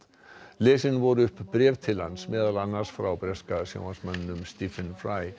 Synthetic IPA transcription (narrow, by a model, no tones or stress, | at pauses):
leːsɪnvɔɾʏhpbɾɛːvt̪ʰɪlansmɛːðalanːaɾsfɾawbɾɛskaðsja̰ːwhansmannʏmst̪ifɪnfɾaj